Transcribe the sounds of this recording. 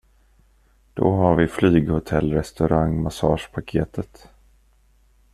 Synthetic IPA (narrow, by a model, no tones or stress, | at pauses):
d̪̥ɔ̰ɦaɾvɪflyːɡhʊt̪ʰɛlːɾɛst̪ɵɾaŋːmasɑːʂpʰakʰeːt̪ʰət̪